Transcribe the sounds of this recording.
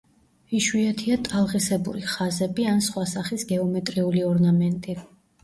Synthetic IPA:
iʃwiɛt̪ʰiat̪ʼalˠʁisɛbṵɾiχazɛbiansχwasaχisɡɛɔmɛt̪ʼɾiuliɔɾnamɛnt̪ʼi

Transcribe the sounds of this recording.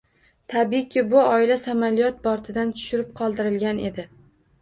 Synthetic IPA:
t̪ʰabikʲːɪbʊɒɪlasamalijɒt̪̚bɒɾt̪ʰɪd̪ant̪ʰʊ̥ʃʊɾɪp̚qʰɒlˠd̪ɪɾɪlɡʲane̞̰d̪ɪ

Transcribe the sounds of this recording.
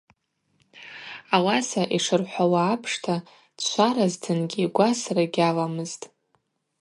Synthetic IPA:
awasaʔiʂɨrħʷawaːpʰʂtʰa | t͡ʃʷʰaɾaztʰɨnɡʲiɡʷasraɡʲalamɨztʼ

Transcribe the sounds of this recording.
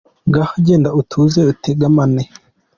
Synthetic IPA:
ŋɡahaɟeːndautʰuːzeutʰeɡamane

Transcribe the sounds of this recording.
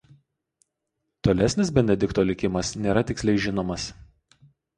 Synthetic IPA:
t̪oːlʲɛsʲnʲɪsbʲɛnʲɛd̪ʲɪkt̪oːlʲɪkʲɪmɐsnʲeːɾɐt̪ʲɪksʲlʲɛɪʒʲɪnoːmɐs

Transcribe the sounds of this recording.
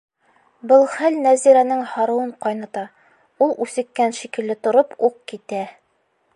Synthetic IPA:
bɤlˠχælnæziɾænɘŋhɑɾɤ̆wɤɴqɒjnɑt̪ɑ | ulˠʉsɘ̆kːænʃikɘ̆lːɘt̪ŏɾopuq̚kit̪æ

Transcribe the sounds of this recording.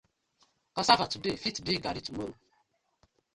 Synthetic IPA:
kɔsafatudefitdiɡa̰ɾitumoɾo

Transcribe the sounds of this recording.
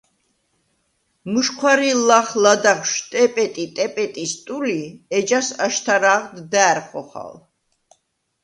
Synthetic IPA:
muʃkʰwaɾilaχlad̪aχʃt̪ʼɛpʼɛt̪ʼit̪ʼɛpʼɛt̪ʼist̪ʼuliɛd͡ʒasaʃt̪ʰaɾaːʁd̪d̪aːɾχʼɔχa̰l

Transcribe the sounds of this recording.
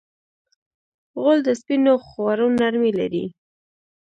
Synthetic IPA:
ɣold̪əspinoxwaɾunːaɾmila̰ɾḭ

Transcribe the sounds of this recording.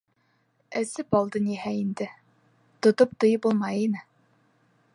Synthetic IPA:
ɘ̆sɘpɑlˠd̪ɤniɦæind̪ɘ | t̪ŏt̪op̚t̪ɤ̆jɤpulˠmɑjinɘ

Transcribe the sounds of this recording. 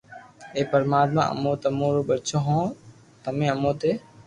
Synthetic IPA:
eːpəɾmaːt̪̚mã̰ːʔə̰mõːt̪əmõːɾoːɓət͡ʃʰoːɦõː | t̪əmẽːəmõːt̪eː

